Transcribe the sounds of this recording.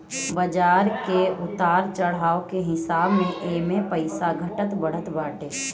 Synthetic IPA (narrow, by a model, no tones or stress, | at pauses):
bəd͡ʒaːɾkeʊt̪aːɾt͡ʃəɽ̤aːokeɦɪsaːbmẽʔeːmẽpəɪsaɡʱəʈət̪bəɽ̤ət̪baːʈeː